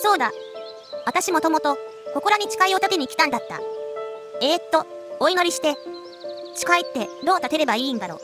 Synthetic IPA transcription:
so̞ːd̪a | βat̪aɕimo̞t̪o̞mo̞t̪o̞ | ko̞ko̞ɾaɲ̟it͡ɕi̥kaio̞t̪akeɲ̟ikʲi̥t̪ãnd̪at̪ːa̰ | e̞ːt̪ːo̞ | oino̞ɾʲiɕi̥t̪e̞ | t͡ɕi̥kait̪ːe̞d̪o̞ːt̪at̪e̞ɾe̞baĩːnd̪aɾo̞̰

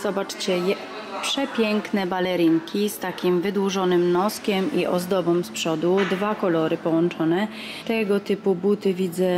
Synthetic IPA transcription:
z̥ɔbat͡ʂt͡ɕɛjɛ | pʂɛpʲjɛŋknɛbalɛɾiŋkʲist̪akʲimvɘd̪wuʐɔnɘmnɔskʲɛmiʔɔzd̪ɔbɔ̃mspʂɔd̪ud̪vakɔlɔɾɘpɔwɔnt͡ʂɔnɛ | t̪ɛɡɔt̪ɘpubut̪ɘvʲid̪zɛ

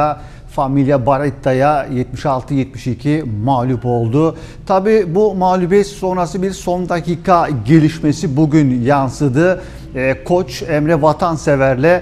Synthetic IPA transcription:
a | familʲjabaɾɛt̪ʰːajajɛt̪̚miʃalˠt̪ʰɯjɛt̪̚miʃicʰimaːlʲupo̞lˠd̪ʊ | t̪ʰabiːbumaːlʲubɛt̪so̞nɾasɯbiɾso̞nd̪aciːkʰaɟe̞lʲiʃme̞sibuɟynjansɯd̪ɯː | kʰo̞t͡ʃɛmɾɛvat̪ʰansevæɾlʲɛ

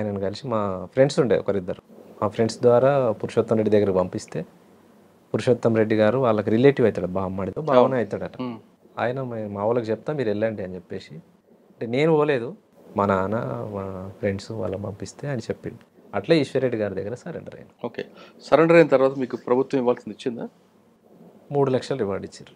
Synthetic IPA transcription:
aːjɐnɐnikɐlisimaːpʰɾe̞ɳɖsuɳɖḛːkɐɾid̪ːɐɾumaːpʰɾe̞ɳɖsd̪ʋaːɾaːpuɾuʂɐt̪ːɐmɾe̞ɖːid̪ɐɡːɐɾɐkibɐmpist̪e̞ː | puɾuʂɐt̪ːɐmɾe̞ɖːiɡaːɾuʋaːɭːɐkiɾile̞ːʈiʋɐjt̪aːɽɐbʱaːmːaːɽit̪oːbaːʋɐnɐjit̪aːɽɐʈɐ | a̰ːjɐnɐmaːʋɐlɐkut͡ʃɛp̚t̪aːmːiːɾɛlːɐɳɖiɐnit͡ʃepːe̞ːsi | ɐɳʈene̞ːnuuʋɐle̞ːd̪u | mɐnɐnɐ̰ | pɾe̞ɳɖsuʋa̰ːɭːɐkbɐmpist̪e̞ːɐnit͡ʃepːiɳɖi | ɐʈlaːiʃʋɐɾeɖːiɡaːɾud̪ɐɡːɐɾɐsɐɾḛɳɖɐɾɐ̰jnuoːkḛːsɐɾeɳɖɐɾɐjnɐt̪ɐɾʋaːt̪̬ɐmiːkupɾɐbʱut̪wʋɐmiʋaːlsind̪it͡ʃːind̪aː | muːɽulɐkʂɐlɐɾiʋaːɖit͡ʃːaːɾu

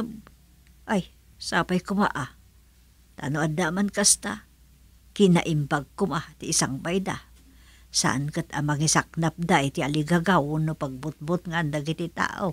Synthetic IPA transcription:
b | ʔaj | sa̰pajkʊma̰ʔa | t̪a̰noʔad̪amankast̪a̰ | kina̰ʔɪmbaɡ̚kʊmat̪iːsaŋbajda̰ | sa̰ʔa̰nkət̪a̰maŋisak̚nap̚d̪ajt̪ialiɡaɡawnopaɡ̚bʊt̪̚bʊt̪̚ŋaand̪aɡit̪it̪a̰ːʔo̰

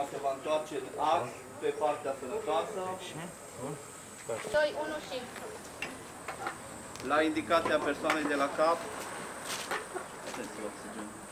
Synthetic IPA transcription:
səvaɨnt̪oart͡ʃe̞a | pe̞part̪easənət̪oasə | d̪ojunuʃiŋtu | laind̪ikat̪siape̞rsoane̞jd̪e̞lakap | at̪ent̪sʲioksid͡ʒen

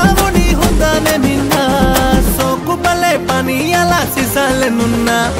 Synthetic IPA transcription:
aʋɔniɦud̪aneninːasɔkubalepanijalasisalenunːa

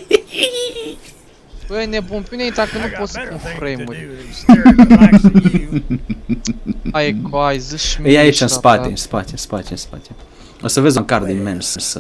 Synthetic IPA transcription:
pəjnebunpʲineit̪akənupot̪sə̥punfɾejmuɾʲ | kajzɨʃjaiʃt͡ʃ̪enspat̪ʲenspat̪ʲespat̪ʲenspa̰t̪ʰʲe | osəvezaŋkaɾd̪imensəns

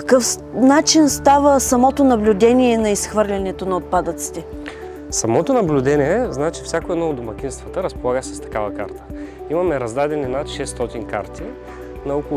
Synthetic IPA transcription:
kəkɤf | nat͡ʃinst̪avəsɐmɔt̪onɐblʲʊd̪ɛnʲiɛnɐisxvɤɾlʲɐnɛt̪onɐot̪̚pad̪ət̪si̥t̪ɛ | sɐmɔt̪onɐblʲʊd̪ɛnʲiɛznat͡ʃi̥fsʲjakoɛd̪nɔod̪ʊmɐk̟inst̪vɐt̪əɾɐspolˠaɡəsɛ̥st̪ɐ̥kavəka̰ɾt̪ə̥ | imɐmɛɾɐzd̪ad̪ɛninat̪ʃɛst̪ɔt̪inka̰ɾt̪ʰi | nɐɔko

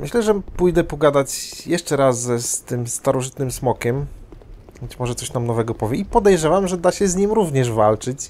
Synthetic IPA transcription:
mʔɘ̰ɕlɛʐɛpujd̪ɛpɔɡad̪at͡ɕjɛʂt͡ʂɛɾasɛst̪ɘmst̪aɾɔʐɘt̪nɘmsmɔkʲɛm | bɛt͡ɕmɔʐɛt̪sɔɕnamnɔvɛɡɔpɔvʲjɛipɔd̪ɛjʐɛvamʐɛd̪aɕɛzɲimɾuvɲɛʐva̰lt͡ʂɘt͡ɕ

